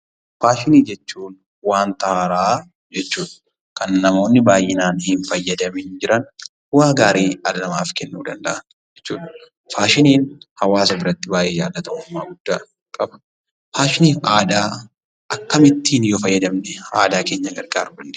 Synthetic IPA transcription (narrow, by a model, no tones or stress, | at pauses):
faːʃɪniːd͡ʒɛt͡ʃːuːn | waːnt̪ɐaɾaː | d͡ʒɛt͡ʃːuːᶑɐ̥ | kɐnːɐmo̞ːnːɪbaːjʔːɪnaːnhɪnfɐjːɐd̪ɐmɪnd͡ʒɪɾɐn | ʊwaːɡaːɾeːɐd̪ɐnɐmaːfkɛnːuːd̪ɐnd̪ɐʔɐn | d͡ʒɛt͡ʃːuːᶑɐ̥ | faːʃɪniːnhɐwaːs̬ɐbɪɾɐt̪ːɪbaːjʔɛja̰ːd̪ːɐt̪ɐmʊmːaːɡʊd̪̥ːaː | kʼɐbɐ̥ | faːʃɪniːʔaːd̪aː | ʔɐkːɐmɪt̪ːiːnjoːfɐjːɐd̪ɐmnɛa̰ːd̪aːke̞ːɲːɐɡɐɾɡaːɾbʊlːɛ̥